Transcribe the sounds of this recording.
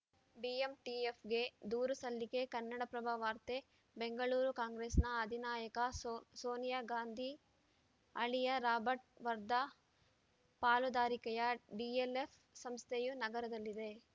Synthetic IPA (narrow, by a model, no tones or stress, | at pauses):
ɖiemʈiepʰɡe̞d̪uːɾusɐlːikekɐnːɐɽɐpɾɐbʱaʋaːɾt̪e | beŋɡɐɭuːɾukaːŋɡɾeːsnɐːd̪ʱinaːjɐkɐsoːnijaɡaːnd̪ʱi | ɐɭijɐɾaːbɐʈ̚ʋɐɾd̪a | paːlud̪aːɾikɐjɐɖielep | sɐmst̪ʰejunɐɡɐɾɐd̪ɐlːid̪e̞